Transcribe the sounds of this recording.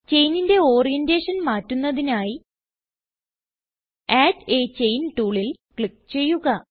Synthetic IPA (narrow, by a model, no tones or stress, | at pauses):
t͡ɕe̞jninde̞o̞ːrijendeːʂɐnmaːtːunːɐðinaːji | aːdeːt͡ɕe̞jnʈuːɭilkɭik̚ːt͡ɕe̞jːuɣɐ